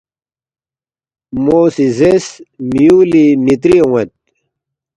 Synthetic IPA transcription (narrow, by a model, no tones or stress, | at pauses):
moːsizesmijuːlimit̪̬ɾiowet̪̚